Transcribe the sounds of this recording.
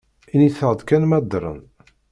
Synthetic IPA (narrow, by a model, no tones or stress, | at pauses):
iniθəʁəd̪ˤkænmæd̪ɾˤə̰n